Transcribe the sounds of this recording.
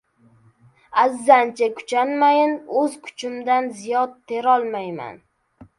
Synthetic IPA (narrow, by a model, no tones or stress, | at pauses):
azːant͡ʃʰakʰʊ̥t͡ʃʰanmajɪnɵzkʰʊ̥t͡ʃʰɪmd̪anzijɒt̪ʰːe̞ɾɒlˠmajma̰n